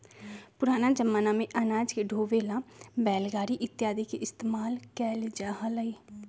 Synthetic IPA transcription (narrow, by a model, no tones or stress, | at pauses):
pʊɾaːnaːd͡ʒəmːənaːmẽʔənaːd͡ʒkeɖʱoːʋeːlãːbɛːlɡaːɾiʔɪt̪ːjaːd̪ikeʔɪst̪eːmaːlkɛːld͡ʒaːɦaləiː